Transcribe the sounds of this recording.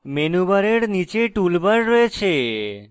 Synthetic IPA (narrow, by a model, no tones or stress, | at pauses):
menubaɾeɽnit͡ʃeʈulbaɾːɔet͡ʃʰe